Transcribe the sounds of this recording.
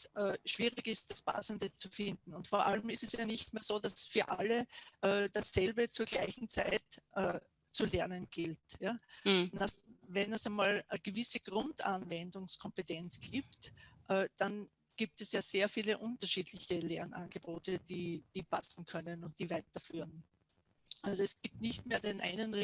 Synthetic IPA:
sʔɛːʃv̥iːʁɪɡɪst̚d̥aspʰa̰səndət͡sufɪndn̩ʊntfɔɐʔa̰lmɪstɛsjaːnɪçtmeːɐzoːdasfyːɐʔaləʔɛːd̥asːɛlbət͡suːɐɡ̥laɪçn̩t͡saɪtʔɛː | t͡sulɛɐnənɡ̥ɪltjaːnavɛnɛsɛmaːlʔəɡ̥əvɪsəɡ̥ʁʊntanvɛndʊŋskʰɔmpetɛnt͡sɡ̥iːp̚tʔɛːd̥an | ɡ̥iːp̚tɛsjaːz̥eːɐfiːləʔʊntɐʃiːdlɪçəlɛɐnʔa̰nɡəboːtəd̥iːd̥iːpʰasn̩kʰœnənʊnt̚d̥iːvaɪtɐfyːʁən | ʔalzoɛsɡ̥iːp̚tnɪçtmeːɐdeːnʔa̰ɪnən

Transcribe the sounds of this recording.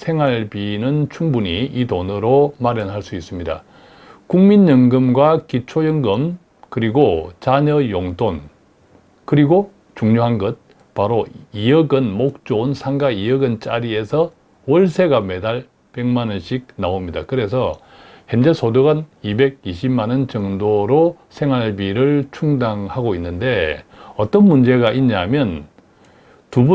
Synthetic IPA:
sʰe̞ŋwaɭpinɯnt͡ɕʰuŋbuɲiitonɯɾomaɾjʌnɦaɭs͈uis͈ɯmɲida̰ | kuŋmiɲːʌŋɡɯmɡwakit͡ɕʰojʌŋɡɯm | kɯɾiɡot͡ɕaɲʌjoŋton | kɯɾiɡo | t͡ɕuŋɲoɦanɡʌt̚ | paɾoijʌɡɯnmok̚t͡ɕ͈ounsʰaŋɡaijʌɡɯnt͡ɕ͈aɾie̞sʰʌ | wʌɭsʰe̞ɡame̞daɭ | pe̞ŋmanɯnɕʰik̚naomɲidakɯɾe̞s̬ʰʌ | hjʌnd͡ʑesʰodoɡanibe̞ɡ̚iɕʰibmanɯnt͡ɕʌŋdoɾo | sʰe̞ŋɦaɭbiɾɯɭt͡ɕʰuŋdaŋhaɡoinːɯnde̞ʌt͈ʌnmund͡ʑe̞ɡaʔiɲamjʌn | tubu

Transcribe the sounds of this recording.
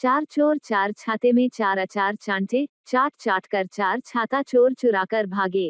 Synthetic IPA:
t͡ʃaːɾt͡ʃoːɾt͡ʃaːɾt͡ʃʰaːt̪emẽt͡ʃaːɾat͡ʃaːɾt͡ʃãːɳʈʰet͡ʃaːʈʰt͡ʃaːʈʰkəɾt͡ʃaːɾt͡ʃʰaːt̪at͡ʃoːɾt͡ʃʊɾaːkəɾbʱaːɡeː

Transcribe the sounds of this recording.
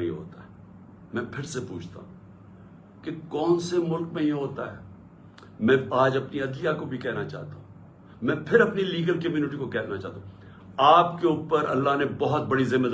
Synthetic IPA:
ḭ̃ɦo̰ːt̪aɛː | mɛ̃ːpʰɪɾsepuːt͡ʃʰt̪ã̰ | kekɔːnsemʊlkmẽjeɦoːt̪aɦɛː | mɛ̃ːaːd͡ʒɐpniɐd̪lijakobʱikɛːnat͡ʃa̰ːt̪aɦũ | mɛ̃ːpʰɪɾɐpniliːɡəlkəmjuːnɪʈ̬ikokɛːnat͡ʃaːt̪ã | aːpkeʊːpəɾɐ̰lːanebɐɦɔt̪̚bɐɽizɪ̃mːed̪

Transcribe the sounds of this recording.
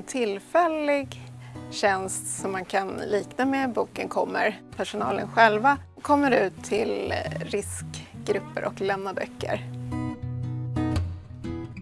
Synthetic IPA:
nt̪ʰɪlfɛlɪɡɕɛnst̪sɔmːankʰanliːknamɛbuːkənkʰɔmːə̰ɾpʰæʂʊnɑ̰ːlə̰nɧɛlva | kʰɔmːəɾʉ̟ːt̪ʰːɪlɾɪskɡɾɵpːə̰ɾʔɔ̰klɛmnːabœ̰kʰːə̰ɾ

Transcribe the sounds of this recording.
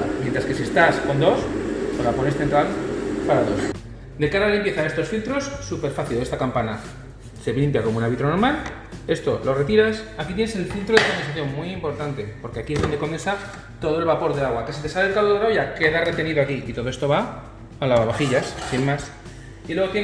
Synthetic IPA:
mjent̪ɾaske̞sie̞st̪asko̞nd̪o̞spo̞zlapo̞ne̞sθe̞nt̪ɾalpaɾaðo̞s | d̪e̞kaɾalalimpje̞θae̞st̪o̞sfilt̪ɾo̞sːupe̞ɾfaθile̞st̪akampana | se̞βlimpjakomounaɾβit̪ɾo̞no̞ɾmal | e̞st̪o̞lo̞re̞t̪iɾasakit̪̬jeneselθilt̪ɾoðekombesaθjo̞mmwiimpo̞ɾt̪ant̪e̞po̞ɾke̞akie̞zðo̞nd̪e̞ko̞mensa | t̪o̞ðo̞e̞lβapo̞ɾðe̞aɣwakes̬it̪ealelkaβoðɾawʝake̞ðare̞t̪e̞niðoakiʔit̪o̞ðoest̪o̞βa | alaβaβaxiʎassinmas | ilwe̞ɣ̞o̞t̪je

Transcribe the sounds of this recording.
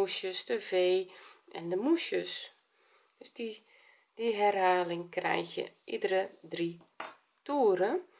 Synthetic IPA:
uʃjəsdəveːʔɛndəmuʃjəs | døs | diɦɛrɦaːlɪŋkrɛ̰jxjə̰ʔidərədri | tuːəɾə

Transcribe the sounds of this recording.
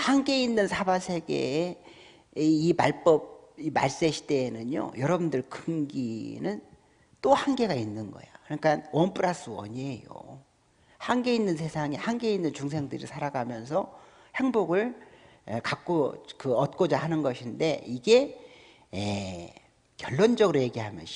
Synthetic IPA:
haŋɡe̞inːɯnsʰabasʰe̞ɡe̞̰ | imaɭp͈ʌb̚ | ima̰ɭs͈eɕʰi̥de̞ːnɯɲo̰jʌɾʌbundɯɭkɯŋɡinɯn | t͈ohanɡe̞ɡainːɯnɡʌ̰jakɯɲik͈anwʌnpʰuɾas͈ɯʌ̰ɲejo̰ | haŋɡe̞inːɯns̬ʰe̞sʰaŋehaŋɡe̞inːɯnt͡ɕuŋs̬ʰe̞ŋdɯɾḭsʰaɾaɡamjʌnsʰʌ | he̞ŋboɡɯɭ | kak͈̚okɯʌt̚k͈od͡ʑahanɯnɡʌɕʰinde̞iɡe̞ | e | kjʌɭːond͡ʑʌɡɯɾoje̞ɡiɦamjʌn

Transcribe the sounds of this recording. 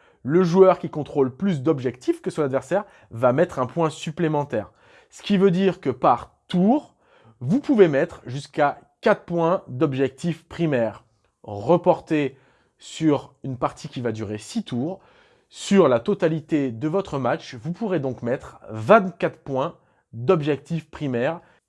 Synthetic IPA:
ləʒuœʁkʲikɔ̃t̪χolplys̬d̪ɔbʒɛkt̪ifkəsɔ̃nad̪vɛʁsɛʁ | vamɛt̪χɛ̃pwɛ̃syplemɑ̃t̪ɛːʁ | sə̥kʲivød̪iʁkəpaʁt̪uʁ | vupuvemɛt̪χʒyskakat̪pwɛ̃d̪ɔbʒɛk̚t̪ifpχimɛʁː | əpɔʁt̪e | syʁynpaʁt̪ʰikʲivad̪yʁesit̪ʰuːʁ | syʁlat̪ɔt̪alit̪ed̪əvɔt̪χəmat͡ʃvupuʁed̪ɔ̃kmɛt̪χvɛ̃t̪kʲat̪χpwɛ̃ | d̪ɔbʒɛk̚t̪ifpχimɛʁ

